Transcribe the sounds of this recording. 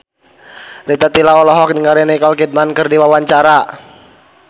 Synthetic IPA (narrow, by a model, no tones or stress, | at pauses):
rit̪at̪ilaɔlɔɦɔk̚diŋaɾɛnikɔlkid̚mankɨrdiwawaɲt͡ʃaɾa